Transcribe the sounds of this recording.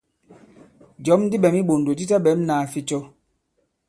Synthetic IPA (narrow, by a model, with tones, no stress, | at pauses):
d͡ʒɔ˨˦mn˦di˦ɓɛ˨mi˦ɓo˨n˨do˨di˦ta˦ɓɛ˨˦m˦naː˨fi˦t͡ʃɔ˦